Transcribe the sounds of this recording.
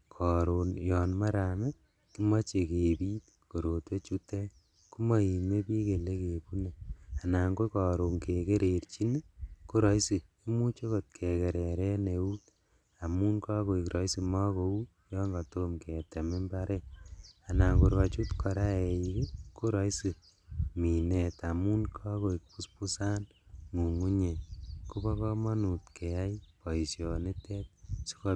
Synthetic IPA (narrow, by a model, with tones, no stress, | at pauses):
kʰɔ˨ɾo˨njɔ˨nma˦ɾa˨me˦ | ki˦ma˦t͡ʃe˨ke˨pi˦t | ko˨ɾo˨twe˦t͡ʃu˦te˦ | ku˦ma˦i˨me˦pi˦ke˨le˦ke˨pu˦ne˨a˨na˨ŋɡo˦kɔ˨ɾo˨ŋke˨ke˦ɾe˨ɾt͡ʃi˦ne˦ko˦ɾɔ˦isi˨ | i˦mu˦t͡ʃo˦ko˨t̚kʰe˨ke˨ɾɛ˨ɾɛ˦ne˨u˦t | a˨mu˦nkaː˦ko˨ikɾʔɔ˨isi˨mɔ˦ko˨u˦ | jɔ˦ŋɡatomke˨ta˨me˦mbaɾɛa˨na˨koɾwa˨t͡ʃu˦tkʰɔ˨ɾa˦ejiki˦ko˦ɾɔ˨jsi˨ | mi˨netamu˦nkʰɔ˦ko˨ikpu˦spu˦sa˦n | mu˨ŋu˦ɲenku˦bɔ˦kɔ˦ma˦nu˨tkʰea˦jpɔ˨isjɔne˦tɛ˦tsi̥˦kɔ